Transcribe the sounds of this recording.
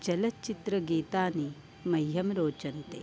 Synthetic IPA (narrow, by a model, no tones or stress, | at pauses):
t͡ʃɐlɐt͡ʃit̪ɾɐɡiːt̪aːni | mɐjɦɐmɾoːt͡ʃɐnt̪e